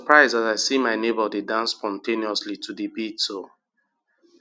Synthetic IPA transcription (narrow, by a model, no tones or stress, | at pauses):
pʰɹaɪzdataɪsimaɪnebədedãnsːpɔ̃ntʰẽniɔslitʰudibitso